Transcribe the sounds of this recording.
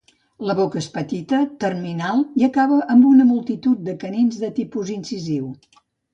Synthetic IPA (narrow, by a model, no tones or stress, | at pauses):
ləβokəespət̪it̪ət̪ərminalˠiəkaβəʔəmbunəmulˠt̪it̪ut̪̚d̪əkəninzðət̪ipuzinsiziw